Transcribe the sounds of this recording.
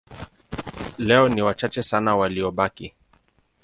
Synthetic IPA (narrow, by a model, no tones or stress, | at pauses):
lɛɔniwat͡ʃat͡ʃɛsanawaliɔɓaki